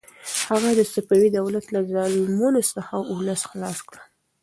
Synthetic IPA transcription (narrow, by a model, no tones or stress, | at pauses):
haɣad̪əsapawid̪awlat̪lazɑlmunosəxaʔʊləsxlɑskɽə